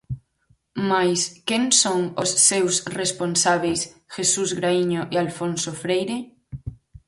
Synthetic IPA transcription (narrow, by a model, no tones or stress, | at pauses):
majskensoŋosːewsresponsaβ̞ejsxesuzɣɾaiɲoʔialfonsofɾejɾe